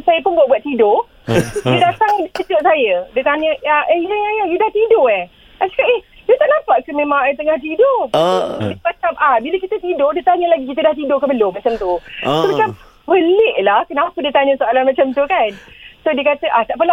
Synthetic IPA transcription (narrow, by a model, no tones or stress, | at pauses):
sajəpʊnbuaʔbuat̪̚ido | dədat̪aŋdit͡ʃəd͡ʒoʔsajədət̪aɲəaʔejəjajəjudaht̪idoah | asi̥kaʔɛh | diət̪aʔnapaʔkəmẽmãŋat̪əŋaht̪ido | dimat͡ʃamʔahbiləkit̪ət̪idodiət̪aɲəlaɡik̬it̪̬ədaht̪̬idokəbəlomat͡ʃamt̪usomat͡ʃam | bəleʔlahkənapədiət̪aɲə̃soalanmat͡ʃamt̪ukansodiəkat̪əʔaht̪aʔpəla